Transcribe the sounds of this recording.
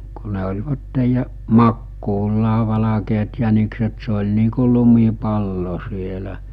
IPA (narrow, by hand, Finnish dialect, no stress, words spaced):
ku ne olʲʋɑtːej jɑ mɑkːuːlːɑː ʋɑlɑkeːt jænikset se olʲ niː ku lumipɑlːo sielæ